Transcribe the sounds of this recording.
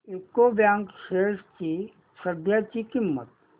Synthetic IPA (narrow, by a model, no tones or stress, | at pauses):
ekːobjãːŋkʃeːst͡ʃi | səd̪ʱjat͡ʃikɪmːə̰t̪